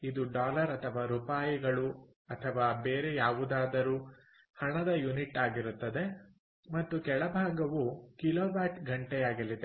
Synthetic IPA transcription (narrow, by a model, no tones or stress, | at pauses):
id̪uɖaːlɐɾɐt̪ʰɐʋaːɾupaːjiɡɐɭu | ɐt̪ʰɐʋaːbeːɾejaːʋud̪aːd̪ɐɾuː | hɐɳɐd̪ɐjuniʈːaːɡiɾut̪ːɐd̪e̞ | mɐt̪ːukɛɭɐbʱaːɡɐʋukiloːbaːʈɡɐɳʈɛjaːɡɐlːid̪e̞